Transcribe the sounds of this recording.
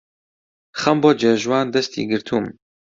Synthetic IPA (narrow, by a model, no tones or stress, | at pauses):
χɐmboːd͡ʒeːʒwaːnd̪ɛst̪ʰḭːɡɨɾt̪ʰuːm